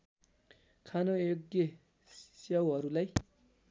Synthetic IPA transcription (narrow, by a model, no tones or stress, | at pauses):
kʰanooɡje | sʌwɦʌɾulaj